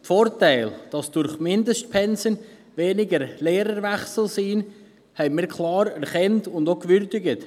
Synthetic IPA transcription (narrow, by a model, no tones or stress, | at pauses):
tfoːɾtæɪld̥ɑsd̥ʊɾχmɪndəstpʰɛnsən | veːnɪɡəɾleːɾəɾvɛχsl̩siːn | hɛɪmiːɾkʰlɑːɾɛɾχɛntʊndokʋʏɾdɪɡət